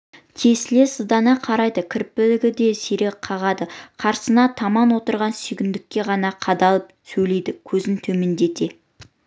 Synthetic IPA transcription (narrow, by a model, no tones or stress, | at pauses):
t̪ʲʰe̞sle̞səzd̪ɑnɑqʰɑɾɑjd̪əkʲʰɪɾpːɪlɪɡʲɪd̪e̞seɾe̞k̚qʰɑʁɑd̪əqʰɑɾsənɑt̪ʰɑmɑnwo̞t̪əɾʁɑnsʏjɡʲɪnd̪ɪkʲːe̞ʁɑnɑqʰɑd̪ɑlˠəp̚sɵjle̞jd̪ɪkʲʰɵzɪnt̪ʰɵme̞nd̪e̞t̪e̞